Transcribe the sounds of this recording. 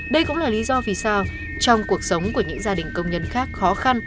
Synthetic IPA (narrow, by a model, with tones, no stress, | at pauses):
ɗə˧jkʊ̰˧˥ŋ͡mlaː˨˩li˨˦zɔ˧vi˨˩saː˧w | t͡ɕɔ˧wŋ͡mku˨˩ək̚sə˨˦wŋ͡mku˧˩əɲɨ̰˧˥ŋzaː˧ɗï˨˩ŋ̟kə˧wŋ͡mɲə˧nxaː˦˥k̚xɔ˨˦xa˧n